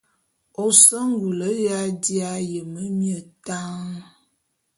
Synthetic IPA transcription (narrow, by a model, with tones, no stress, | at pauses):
o˨sə˦ŋ˦ɡu˨lə˨˦ja˦di˦a˦jə˨mə˦mjə˨ta˦ŋ